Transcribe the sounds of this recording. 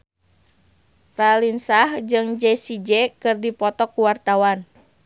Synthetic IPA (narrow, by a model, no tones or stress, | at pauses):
ralinsahd͡ʒɨŋd͡ʒɛsid͡ʒɛkɨrdipɔt̪ɔkːuwart̪awan